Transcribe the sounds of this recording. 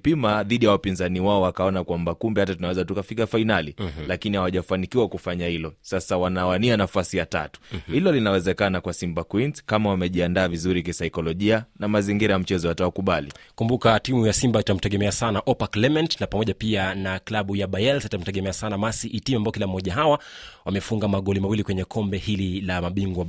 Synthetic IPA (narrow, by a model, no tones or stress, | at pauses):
pimaðiɗijawapinzaniwaɔwakaɔnakwambakumbɛhatatunawɛzatukafikafainalilakinihawaʄafanikiwakufaɲahilɔsasawanawanianafasijata̰tu̥hilɔlinawɛzɛkanakwasimbakwinzkamawamɛʄiandaːvizuɾik̬isajkɔlɔʄianamaziŋɡiɾajam̩t͡ʃɛzɔhatawakuɓalḭkumbukatimujasimbaitam̩tɛɠɛmɛasanaʔɔpaklɛmɛntnapamɔʄapianaklaɓujaɓajɛlsitam̩tɛɠɛmɛasanamasiʔitimambaɔkilam̩ɔʄaɦawawamɛfuŋɡamaɠɔlimawilikwɛɲɛkʰɔmbɛhililamaɓiŋɡwa